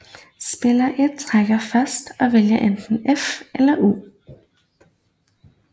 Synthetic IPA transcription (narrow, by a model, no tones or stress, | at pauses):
sb̥elɐʔed̥̚t͡sʰʁaɡ̥ɐfæsd̥ɒ̽ʋeljɐʔend̥n̩efelɐʔṵː